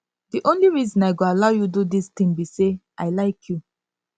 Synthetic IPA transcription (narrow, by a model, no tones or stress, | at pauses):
diʔõnliɹizɔ̃naɪɡoalaʊjududist̪ĩŋbiseʔaɪlaɪkʰju